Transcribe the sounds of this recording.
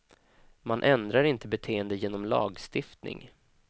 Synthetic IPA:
manʔɛnd̪ɾaɾɪnt̪əbɛt̪ʰeːənd̪əjeːnɔmlɑ̰ːɡst̪ɪft̪nɪ̰ŋ

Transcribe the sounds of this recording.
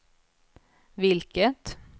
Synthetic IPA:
vɪlkət̪

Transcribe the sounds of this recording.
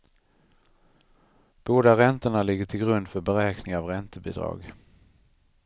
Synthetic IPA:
b̥oːd̪aɾɛnt̪əɳalɪɡːəʈʰɪlɡɾɵnd̪fœɾbɛɾɛːknɪŋavɾɛnt̪əbḭːd̪ɾɑ̰ːɡ

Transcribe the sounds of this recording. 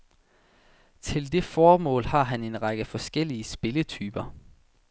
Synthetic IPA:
t͡sʰe̝ld̥e̝fɒːmɔ̰̽ːlhɑ̈ɦæne̝nʁɑɡ̥əfɒ̽sɡ̥el̰iəsb̥e̝lət͡sʰy̰ːb̥ɐ

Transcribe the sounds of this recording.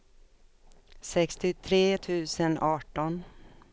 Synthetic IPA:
sɛkst̪ɪt̪ʰɾeːt̪ʰʉ̟ːsənʔɑːʈɔn

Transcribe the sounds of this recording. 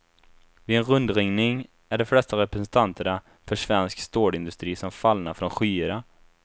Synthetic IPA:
vɪɛnɾɵnd̪ɾɪŋnɪŋ | æɖɔflɛst̪aɾɛpɾɛsɛnt̪ʰant̪ʰəɳa | fœʂvɛnskst̪oːɖɪnd̪ɵst̪ɾiːsɔmfalnaɾfɾɔnɧyːəɾa

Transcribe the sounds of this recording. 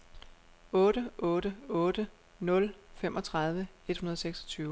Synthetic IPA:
ɔ̽ːɾ̥əʔɔ̽ːɾ̥əɔ̽ːd̥ə | nɔ̽lfem̰ʔɒ̽t͡sʰʁɑ̈ð̞ˠʋəe̝d̥hunɐðˠseɡ̥sɒ̥t͡sʰyːʊ

